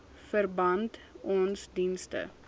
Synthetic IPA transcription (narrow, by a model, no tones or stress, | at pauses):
fərbɐntɔnsdinstə̰